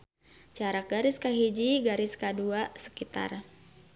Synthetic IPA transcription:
t͡ʃaɾak̚ɡaɾɪskaɦid͡ʒiɡaɾɪskaduasə̥kit̪a̰r

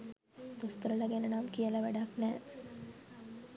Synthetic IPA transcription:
d̪ust̪əɾələɡenənamkijələʋæɖaknɛː

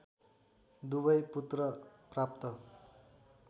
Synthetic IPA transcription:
d̪ubʌjput̪rʌprap̚t̪ʌ

